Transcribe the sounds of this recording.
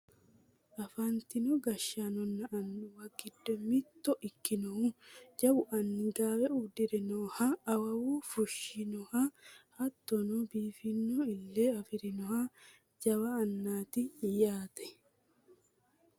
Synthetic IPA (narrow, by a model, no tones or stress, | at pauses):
ʔɐfɐnt̪ɪnɔɡɐʃːanɔnːɐʔːnːʊwɐɡɪd̪ːɔmɪt̪ːɔʔɪkːɪnɔhud͡ʒɐbʊʔɐnːɪɡaːwɛud̪ɪɾɪnɔhaːwɐwuːfʊʃːɪnɔhahɐt̪ːɔnɔbiːfɪnːɔɪlːeːɐfɪɾɪnɔha | d͡ʒɐwaːnːaːt̪ɪjaːt̪ɛ̥